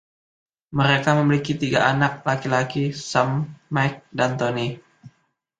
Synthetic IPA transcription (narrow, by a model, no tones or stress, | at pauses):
məɾekaməmilikit̪iɡaʔanak̚lakilakisamːajk̚dant̪oni